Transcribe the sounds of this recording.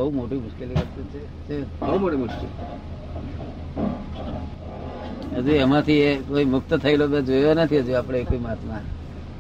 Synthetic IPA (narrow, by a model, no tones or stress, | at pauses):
əɦumoʈimʊʃkelikət̪ut͡ʃʰe | t͡ʃebəumoʈimʊʃkḛl | əd͡ʒuemãt̪ʰiekoimʊkt̪ət̪ʰəilobed͡ʒojonət̪ʰiɦəd͡ʒuapɽ̃eːkimat̪mã